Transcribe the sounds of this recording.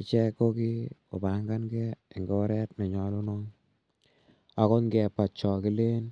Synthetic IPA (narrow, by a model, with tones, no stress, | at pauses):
i˨t͡ʃɛ˦ko˦ki˦o˨ba˨ŋɡa˦nɡɛ˦i˨ŋɡo˦ɾɛ˦tne˨ɲɔ˨lu˦nɔ˦ŋ | a˨ko˦ŋɡɛ˨pa˨t͡ʃɔ˨ki˦le˦n